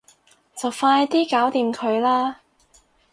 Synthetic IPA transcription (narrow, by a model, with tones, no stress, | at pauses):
t͡sɐ˨wfaː˧jt̪iː˥kaː˨˥wt̪iː˨mkʰɵ˨˧ɥlaː˥